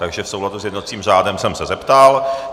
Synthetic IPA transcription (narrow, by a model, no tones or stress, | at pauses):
t̪aɡʒɛfsowladusjɛdnot͡siːmr̝aːdɛmsɛmsɛzɛpt̪al